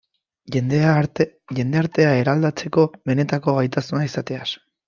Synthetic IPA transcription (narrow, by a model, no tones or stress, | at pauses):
eneʝe̞nd̪e̞aɾt̪e̞ae̞ɾald̪at͡se̞ko̞βe̞ne̞t̪ako̞ɣajt̪asunaisat̪e̞as